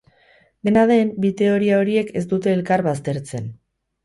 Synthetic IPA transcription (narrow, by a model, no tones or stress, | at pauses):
d̪e̞nað̞e̞mbit̪e̞o̞ɾiao̞ɾie̞kʰe̞s̬t̪ut̪e̞ːlkaɾβast̪e̞ɾt͡se̞n